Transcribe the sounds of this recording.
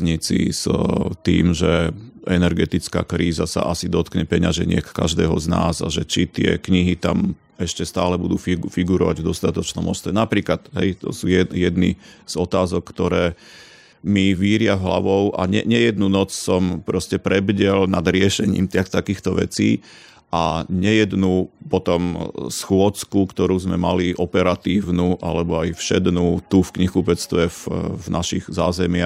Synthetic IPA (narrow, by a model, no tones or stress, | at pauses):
ɲit͡sḭzt̪ḭːmʒɛʔɛnɛɾɡɛt̪it͡ska̰ːkɾiːzasa̰ʔasid̪ɔt̪kɲɛpɛɲaʒɛɲɪɛkka̰ʒd̪ɛːɦɔ̰zna̰ːzaʒɛt͡ʃit̪ɪɛ̰kɲiɦit̪am | ɛʃcɛst̪aːlɛbud̪uːfifiɡuɾɔʋaɟvd̪ɔst̪at̪ɔt͡ʃnɔmɔst̪ʋɛnapɾiːklat̪ɦɛ̰jt̪ɔ̰suːjɛjɛd̪nḭz̥ɔt̪aːzɔkːt̪ɔɾɛː | miʋiːɾɪavɦla̰ʋɔʊʔa̰ɲɛ̰ɲɛjɛd̪nunɔt͡ssɔmpɾɔscɛpɾɛbɟɛlnad̪ɾɪɛʃɛɲḭːmt̪at̪akiːxt̪ɔʋɛ̰t͡sḭː | ʔaɲɛjɛd̪nupɔt̪ɔmsxʊɔt͡skukt̪ɔɾuːzmɛmaliʔɔpɛɾat̪iːʊnuʔa̰lɛbɔajfʃɛd̪nut̪ufkɲixupɛt͡st̪ʋɛfvnʔaʃiɣzaːzɛmɪa